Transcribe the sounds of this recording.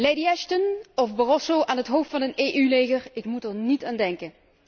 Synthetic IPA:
lejdiɛʃtənɔfbarɔsowʔaːnɦətɦowftfɑnəneːʔylejɣərɪkmutəɹnitaːndɛŋkən

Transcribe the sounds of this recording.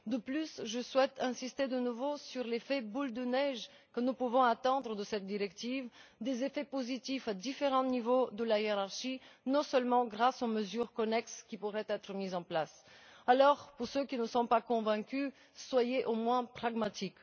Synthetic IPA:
d̪əplysʒəswɛt̪ʰɛ̃sist̪ed̪ənuvosyʁlefɛbuld̪ənɛʒ | kənupuvɔ̃at̪ɑ̃d̪ʁəd̪əsɛt̪̚d̪iʁɛkt̪ivd̪ezefɛpozit̪ifad̪ifeʁɑ̃nivod̪əlajeʁaʁʃinɔ̃sœlmɑ̃ɡʁasoməzyːʁkɔnɛkskʲipuʁɛt̪ɛt̪χəmizɑ̃plas | alɔʁpuʁsøkʲinəsɔ̃pakɔ̃vɛ̃kʲy | swajeʔomwɛ̃pχaɡmat̪ik

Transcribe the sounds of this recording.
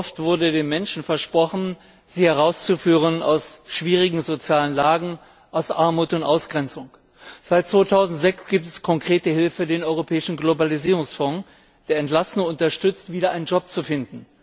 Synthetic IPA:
ɔftv̥ʊɐdədeːmːɛnʃn̩fɛɐʃpʁ̥ɔχn̩ | ziːhɛʁ̞aʊst͡sufyːʁ̞əna̰ʊsʃv̥iːʁ̞ɪɡŋ̩zot͡sjaːlənlaːɡŋ̩ | ʔaʊsʔa̰ɐmuːtʊntʔaʊsɡ̥ʁɛnt͡sʊŋ | z̥aɪt̚t͡sv̥oːtʰaʊzn̩tz̥ɛksɡ̥iːp̚tɛskʰɔŋkʁ̥eːtəhɪlfədeːnʔɔʏʁopʰɛːɪʃn̩ɡlobaliziːʁ̞ʊŋsfɔ̃ | d̥eːɐɛntlasnəŋʊntɐʃtʏt͡stv̥iːdɐʔaɪnənd͡ʒɔp̚t͡sufɪndn̩

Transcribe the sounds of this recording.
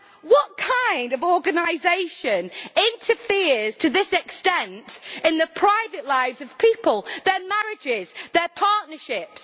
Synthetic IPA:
wɒʔ̚kʰãɪ̃ndəvɔːɡənaɪzeɪʃə̃nɪ̃ntʰəfɪəz̥tʰəðɪsɛkstɛ̃ntɪ̃nðəpʰɹ̥aɪvəʔlaɪvzəv̥pʰiˑpəlˠðə˞maɹɪd͡ʒɪz̥ðəpʰɑɹʔnəʃɪps

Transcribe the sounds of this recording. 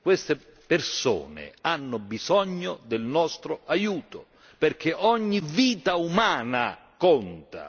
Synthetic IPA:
kwest̪e | perso̰ːnḛanːʊbizɔɲːod̪ɪlnɔst̪ɾoajuːt̪o | perk̟eʔɔɲːiviːt̪aumaːna | kɔnt̪a̰

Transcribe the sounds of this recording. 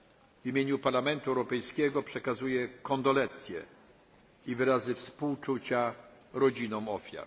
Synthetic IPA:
vimʲjeɲupaɾlamɛnt̪uɛwɾɔpɛjskʲɛɡɔpʂɛkazujɛkɔnd̪ɔlɛnt̪sʲjɛ̰ | ivɘɾazɘfspuwt͡ʂut͡ɕa | ɾɔd͡ʑinɔ̃w̃ɔfʲja̰ɾ

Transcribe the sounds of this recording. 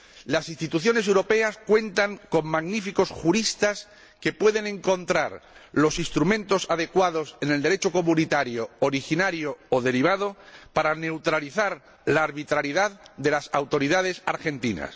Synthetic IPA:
lasinst̪it̪uθjo̞ne̞sewɾo̞pe̞askwe̞nt̪aŋko̞ŋmaɣnifiko̞sxuɾist̪as | ke̞pwe̞ðe̞nẽ̞ŋko̞nt̪ɾaɾlo̞sinst̪ɾumẽ̞nt̪o̞sað̞e̞kwað̞o̞sene̞ld̪e̞ɾe̞t͡ʃo̞ko̞mũnit̪aɾjooɾixinaɾjo̞ːðe̞ɾiβ̞að̞opaɾane̞wt̪ɾaliθaɾ | laːɾβit̪ɾaɾiðaððe̞lasawt̪o̞ɾiðað̞e̞saɾxe̞nt̪ina̰s

